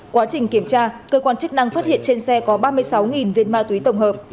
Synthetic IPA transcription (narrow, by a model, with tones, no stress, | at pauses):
kwaː˨˦t͡ɕï˨˩ŋ̟ki˧˩əmt͡ɕaː˧kəː˧kwaː˧nt͡ɕɨ˦˥k̚na˧ŋfaː˦˥t̚hḭ˧˨ənt͡ɕe˧nsɛ˧kɔ˨˦ɓaː˧mɨ˧əjsa˨˦wŋi˨˩nvi˧ənmaː˧t̪wi˨˦jt̪ə˧˩wŋ͡mhəː˨˩p̚